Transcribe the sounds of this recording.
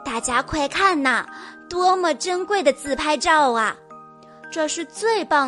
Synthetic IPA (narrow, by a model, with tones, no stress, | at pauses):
t̪a˥˩t͡ɕja˥kʰwa˥˩ɪkʰa˥˩nɐ˩t̪wɔ˥mə˨˩ʈ͡ʂə˥ŋkwe˥˩ɪd̪ə˩t͡sɹ̩˥˩pʰa˥ɪʈ͡ʂɑ˥˩ʊɐ˩ | ʈ͡ʂɤ˥˧ʂɻ̩˥˧t͡swe˥˩ɪpɑ˥˩